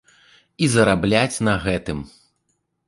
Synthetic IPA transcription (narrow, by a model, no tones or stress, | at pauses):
izɐɾablʲat͡sʲnɐɣɛt̪ɨm